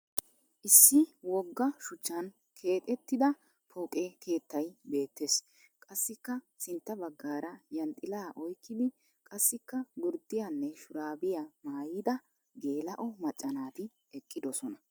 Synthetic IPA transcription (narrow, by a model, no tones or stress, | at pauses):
ʔɪsːɪwɔɡːɐʃʊt͡ʃːɐn | kʰe̞ːt̪ʼɛt̪ːɪd̪ɐ | pʰokʼeːkʰe̞ːt̪ːɐjbe̞ːt̪ːeːs | kʼɐsːɪkːɐ | sɪnt̪ːɐbɐɡːaːɾɐjɐnt̪ʼːɪlaːʔɔjkːɪd̪ɪ | kʼɐsːɪkːɐɡʊɾd̪ɪjanːɛʃʊɾaːbɪjɐmaːjɪd̪ɐ | ɡe̞ːlɐʔɔmɐt͡ʃʼːɐnaːt̪ɪ | ɛkʼːɪd̪ɔsɔnɐ